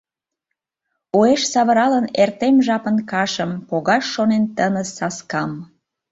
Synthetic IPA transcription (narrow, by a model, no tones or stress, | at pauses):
oeʃsɑβəɾɑlənert̪emʒɑpənkɑʃəmpoɣɑʃːonent̪ənəsɑskɑm